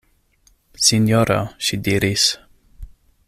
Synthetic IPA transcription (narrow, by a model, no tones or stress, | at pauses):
sinjoɾaʃid̪iɾis